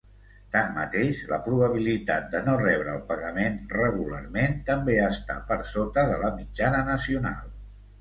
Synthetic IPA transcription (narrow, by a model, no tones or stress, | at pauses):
t̪anːət̪eʃlə̰pɾuβəβilit̪a̰t̪̚d̪ənorɛβ̞ɾəːlˠpəɣəmenrəɣ̞ulə̰rment̪əmbeəst̪a̰pəɾsot̪əðələmid͡ʒanənəsiuna̰lˠ